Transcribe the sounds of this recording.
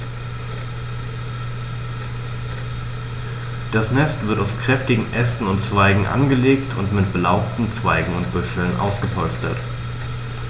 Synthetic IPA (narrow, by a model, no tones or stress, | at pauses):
d̥asnɛstv̥ɪɐtaʊskʁ̥ɛftɪɡŋ̩ʔɛstn̩ʊnt͡sv̥aɪɡŋ̩ʔa̰nɡəleːktʰʊ̰ntmɪtb̥əlaʊp̚tn̩t͡sv̥aɪɡŋ̩ʊntb̥ʊʃl̩nʔa̰ʊsɡ̥əpʰɔlstə̰t